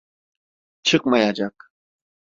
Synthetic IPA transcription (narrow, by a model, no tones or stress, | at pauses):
t͡ʃʰɨk̚majad͡ʒak